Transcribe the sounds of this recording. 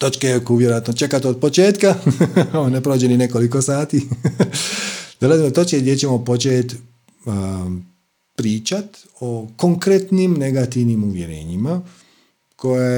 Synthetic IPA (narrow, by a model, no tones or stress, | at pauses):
t̪ot͡ʃkekuʋjeɾojat̪not͡ʃe̞kat̪od̪̚po̞t͡ʃeːt̪kaonepɾoːd͡ʑenine̞ko̞liko̞saːt̪i | d̪olazimot̪ot͡ʃkeɡd̪jet͡ɕe̞mopo̞t͡ʃet̪ | pɾiːt͡ʃat̪ | o̞koŋkɾet̪nimne̞ɡat̪iʋnimuʋje̞ɾḛːɲima | ko̞je